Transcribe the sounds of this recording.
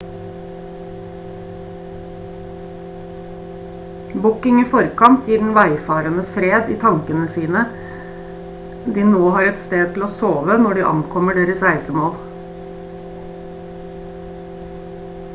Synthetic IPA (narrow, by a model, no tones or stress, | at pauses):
bʊkɪŋiːfɔɾkɑnt̪ʰjiːɖɳ̩ʋæɪfɑːɾənəfɾeːd̪iːt̪ʰɑŋkənəsiːnə | d̪iːnoːhɑːɾɛt̪st̪eːd̪̚t̪ʰɪl̩oːsoːʋənɔɖiːʔɑ̰ŋkʰɔməɖeːɾəsæɪsəmoːl